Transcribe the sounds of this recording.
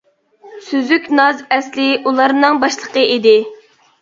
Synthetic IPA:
syzykʲnɑzɛslɪʔulˠɑɾnɨŋbɑʃlˠəqəid̪ɪ

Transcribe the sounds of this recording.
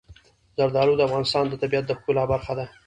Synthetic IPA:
zaɾd̪ɑɾud̪əafɣɑnɪst̪ɑnd̪ət̪abijat̪̚d̪əxkulɑbaɾxad̪a

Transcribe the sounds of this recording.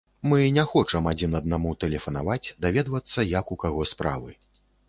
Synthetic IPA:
mɨnʲaxɔt͡ʂɐmad͡zʲinɐd̪namut̪ɛlʲɛfɐnavat͡sʲd̪avʲɛd̪vɐt̪sːɐjɐkukaɣɔspɾa̰vɨ

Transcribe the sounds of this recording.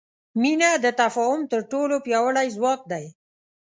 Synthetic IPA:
minad̪ət̪afɑhʊmt̪əɾʈolopjɑwəɽajzwɑk̚d̪aj

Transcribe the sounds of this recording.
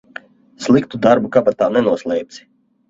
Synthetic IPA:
slˠikt̪ud̪aɾbukapat̪ːaːnɛnuɔslˠɛjp̪̚sʲi̥

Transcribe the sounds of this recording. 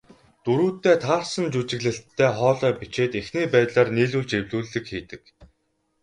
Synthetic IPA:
t̪uɾuːt̪ːeːt̪ʰaːrsə̆nt͡ɕut͡ɕɪ̆ɣɮɘ̆ɬtʰːæːχɔːɮœːpit͡ɕeːt̪exniːpæːt̪ɮaːrniːɮuːɮt͡ɕewɮuːɮːɘ̆kxiːt̪ɘ̆k

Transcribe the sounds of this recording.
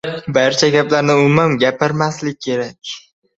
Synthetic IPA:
baɾt͡ʃʰaɡʲaplaɾnɪʊmamɡʲapʰɪɾmaslɪk̚ʲʰkʰːe̞ɾakʲ

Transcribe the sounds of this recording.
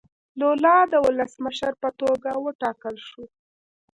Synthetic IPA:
lolɑd̪əwʊləsməʃəɾpət̪oɡawəʈɑkəlʃu

